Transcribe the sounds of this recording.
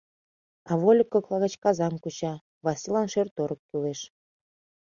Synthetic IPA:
ɑβolʲəkːɤ̆klˠɑɣə̆t͡ɕkɑzɑmkut͡ɕɑ | βɑsilɑnʃørt̪oɾəkːyleʃ

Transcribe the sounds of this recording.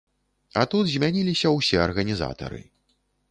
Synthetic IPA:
ɐt̪ud̪zʲmʲanʲilʲisʲɐwsʲɛɐrɣɐnʲiza̰t̪ɐ̰ɾɨ̰

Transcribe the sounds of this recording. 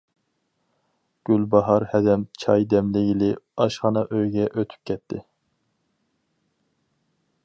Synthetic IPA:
ɡ̥ʲylbɑɦɑɾhɛd̪ɛmt͡ʃʰɑjd̪ɛmlɪɡʲilɪɑʃχɑnɑʔøjɡʲɛʔøt̪ʰy̥p̚kʲʰɛt̪ʰːɪ

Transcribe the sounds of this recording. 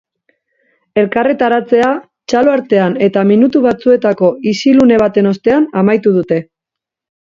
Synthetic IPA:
e̞lkare̞t̪aɾat͡se̞a | t͡ʃalo̞aɾt̪e̞ane̞t̪aminut̪uβat͡sue̞t̪ako̞isilune̞β̞at̪e̞no̞st̪e̞anamajt̪uð̞ut̪e̞

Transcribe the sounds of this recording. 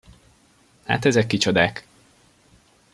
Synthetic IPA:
ha̰ːt̪ɛzɛkːit͡ʃod̪aːk

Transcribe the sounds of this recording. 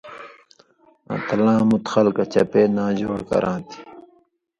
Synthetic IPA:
ã̰t̪lãːmut̪xɐlkɐt͡ɕɐpeːnaːd͡ʑoːɽkɐ̰ɾʔãːt̪ʰi̥

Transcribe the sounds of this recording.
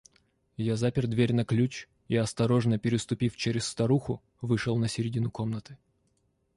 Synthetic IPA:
jazapʲɪrd̪vʲeɾʲnɐklʲut͡ɕ | iɐst̪ɐɾo̞ʐnəpʲɪɾʲɪst̪ʊpʲift͡ɕeɾʲɪst̪ɐɾuxʊ | vɨʂəlˠnəsʲɪɾʲɪdʲinuko̞mnət̪ɨ̥

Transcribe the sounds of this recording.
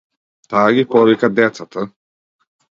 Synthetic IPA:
t̪aːɡipɔlikad̪ɛt̪sat̪ə

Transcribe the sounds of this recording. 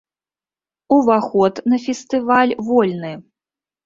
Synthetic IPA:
uvaxɔt̪nɐfʲɛst̪ɨvalʲvɔlʲnɨ

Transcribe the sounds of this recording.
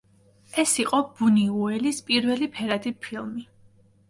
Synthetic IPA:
ɛsiqʼɔb̥uniuɛlispʼiɾvɛlipʰɛɾad̪ipʰilˠmi

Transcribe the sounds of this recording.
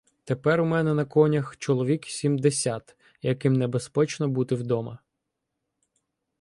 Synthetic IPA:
t̪epɛɾumɛnɛnɐkɔnʲɐxt͡ʃɔlˠɔʋʲiksʲimd̪esʲat̪ | jɐkɪmnebespɛt͡ʃnɔbut̪ɪwd̪ɔmɐ

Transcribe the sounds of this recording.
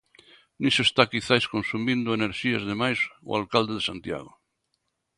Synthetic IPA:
nĩsoest̪akiθajskonsumĩnd̪oeneɾʃiazðemajso̰alkald̪eðesant̪ja̰ɣo

